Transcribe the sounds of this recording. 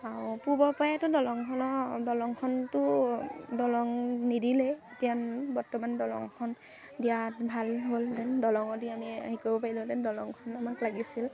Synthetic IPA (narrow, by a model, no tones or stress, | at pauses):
aɹpuɹbɔpajɛtɔdɔlɔŋkʰɔnɔdɔlɔŋkʰɔntʊ | dɔlɔŋnidilɛ | tijanbɔɹtɔmandɔlɔ̰ŋkʰɔn | dijatbʱalɦoldɛndɔlɔŋɔdiamia̰ɦikɔbɔpaɹilʊtɛndɔlɔŋkʰɔnamaklaɡisil